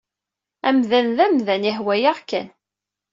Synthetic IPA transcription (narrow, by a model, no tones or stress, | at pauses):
æmðænðæmðænihwæjaʁkːæn